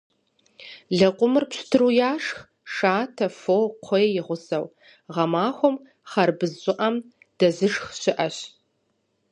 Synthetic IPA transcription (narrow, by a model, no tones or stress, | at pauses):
ɮɐqʷʼʊmɨrpɕtʰɨrujaːʂx | ʂaːtʰɐfoqʷʰɔjejɪʁʷʊsɐw | ʁɐmaːxʷɔm | χɐrbɨzːʷʼʊʔɐm | d̥ɐzɨʂxɕɪʔɐɕ